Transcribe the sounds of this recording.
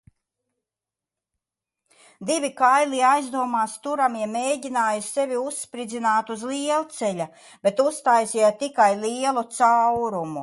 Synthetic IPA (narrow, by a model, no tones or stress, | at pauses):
d̪ivʲikajlˠiajzd̪uɔmaːst̪uɾamiɛmeːjɟʲinaːjusɛvʲiusːpɾid̪zinaːt̪uzlˠiɛlˠt̪sɛʎʲa | b̥et̪ust̪aːjsʲɛt̪ikajliɛlˠut̪sawɾumu